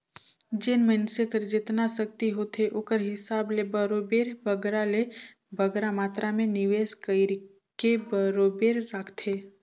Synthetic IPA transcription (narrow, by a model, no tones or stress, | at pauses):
d͡ʒɪnmənsɪkəɾd͡ʒɪt̪nasək̚t̪iɦot̪ʰeʔoːkəɾɦɪsaːblebəɾoːbeːɾbʱəɡɾale | bʱəɡɾamaːt̪ɾamẽnɪʋeːskəɪɾ | kebəɾoːbeːɾːakʰt̪ʰeː